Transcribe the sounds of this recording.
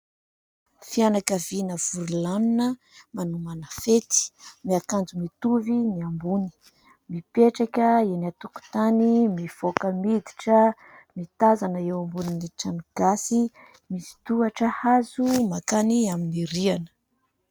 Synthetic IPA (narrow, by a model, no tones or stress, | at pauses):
fianakavinəv̥uɾulanunə | manumanəfet̪i̥miakand͡zumit̪uviniambuni̥ | mipeʈ͡ʂakʲəenat̪uku̥t̪animiv̥okəmid̪i̥ʈ͡ʂə | mit̪azanəewambuniniʈ͡ʂaniɡ̥asi | misi̥t̪uaʈ͡ʂəhazumakaniaminiɾianə̥